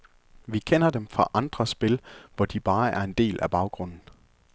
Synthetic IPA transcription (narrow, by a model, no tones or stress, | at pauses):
ʋikʰen̰ɐd̥emfʁɑ̈ʔɑ̈nd̥ʁɐsb̥e̝lʋɒd̥ib̥ɑ̈ːæɐe̝nd̥e̝̰ːlʔæb̥ɑ̈ʊɡ̥ʁɔ̽n̰n̩